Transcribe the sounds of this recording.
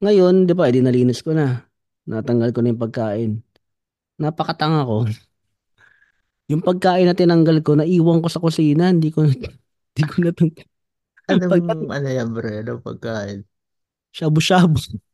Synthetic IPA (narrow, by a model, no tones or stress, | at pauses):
ŋɐjo̞nd̪ɪbaʔɪd̪inɐliːnɪskonɐ | nʔat̪ɐŋɡɐlkonɐjʊŋpɐɡ̚kaːʔɪnː | apɐkɐt̪ɐŋɐko̞ | jʊŋpɐɡ̚kaːʔɪnːɐt̪ɪnɐŋɡɐlko̞nɐʔiːwɐŋko̞sɐkʊsiːnɐnd̪iːkon | nd̪̥ikʰonɐt̪ɐŋ | ʔɐnoɐʔɐnojambɾɐjɐnopɐ̰ɡ̚kaːʔɪn | ʃaːbʊʃaːbo